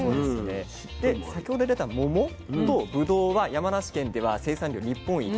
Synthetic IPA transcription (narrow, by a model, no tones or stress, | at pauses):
oesɨne | d̪̥e̞sakʲohod̪e̞d̪e̞t̪amo̞mo̞ | t̪o̞bɯ̟d̪o̞ːβajamanaɕi̥kẽ̞nd̪e̞β̞ase̞ːsãnɾʲo̞ːɾʲipːõ̞ɰ̃i